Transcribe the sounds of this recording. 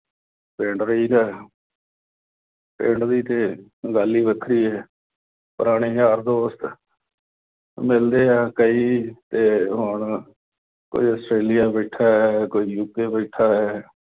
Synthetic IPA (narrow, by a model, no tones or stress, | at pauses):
pẽːɳɖɾəiːɡɛː | pẽːɳɖd̪iːt̪eːɡaːlːiːbəkʰɾiːɛː | pəɾaːɽ̃iːaːɾd̪oːst̪ | mɪld̪eːaːkəiːt̪eːɦʊɳ | ko̰iːəsʈɾeːlɪjaːbɛɪʈʰaːɦɛːkoiːjuːkeːbɛːʈʰaːɦɛː